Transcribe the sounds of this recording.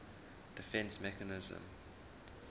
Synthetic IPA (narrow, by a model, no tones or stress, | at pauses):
d̥ɪfɛ̃nsmɛkənɪzə̰̃m